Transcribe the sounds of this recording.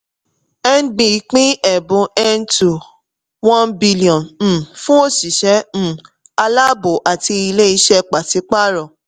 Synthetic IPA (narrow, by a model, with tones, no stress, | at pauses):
ɛ˦n̩˦ɡ͡bĩ˨˦k͡pĩ˦ɛ˨bũ˨˦ɛ˦n̩˦tu˨ | wɔ̃˦nbi˦li˦˨ɔ̃˨ñ̩˨fũ˦o˦ʃi˨ʃɛ̃˨˦˨ | a˧la˦bo˨ʔa˨ti˧i˧le˦i˧ʃɛ˦k͡pa˨ti˨˧˦k͡pa˦ɾɔ˨